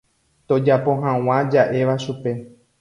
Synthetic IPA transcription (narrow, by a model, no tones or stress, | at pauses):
t̪o̞d͡ʒapo̞ɦãw̃ãd͡ʒaʔe̞ʋaʃupe̞